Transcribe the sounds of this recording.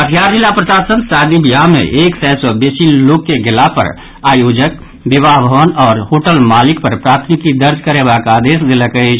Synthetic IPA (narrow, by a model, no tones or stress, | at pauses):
ət̪ʰjaɾd͡ʒilapɾəʃaːsənsaːd̪ibijamḛ̃ʔeːksɛːsɔbeːsilloːkːeɡɪlapə̰ɾ | aːjoːd͡ʒək̚ | bibaɦbʱəʋənɔːɾɦoːʈəlmaːlɪk̚pəɾpɾaːt̪ʰmikid̪əɾd͡ʒʱkəɾebakaːd̪eːsd̪eləkət͡ʃʰ